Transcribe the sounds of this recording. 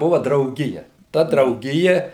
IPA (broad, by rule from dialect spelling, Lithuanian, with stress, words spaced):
ˈbʊʋɐ drɐʊˈɡʲɪjɛ ˈtɐ drɐʊˈɡʲɪjɛ